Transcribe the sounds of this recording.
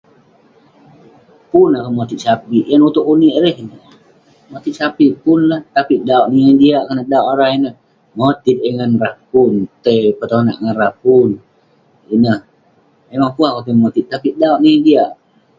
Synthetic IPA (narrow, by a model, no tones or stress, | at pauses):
punakəmot̪it̪̚sapiʔjanut̪ʊkuniʔɾɛɦinə | mot̪it̪̚sapipʊnlaht̪apiʔdaoʔnijaŋdiaʔkənədaoʔoɾahinəh | mot̪it̪̚əŋanrahpunt̪əpət̪ona̰ʔŋanrapun | inəh | memaŋpuakapimot̪it̪̚ːapidaoʔnijaŋdiaʔ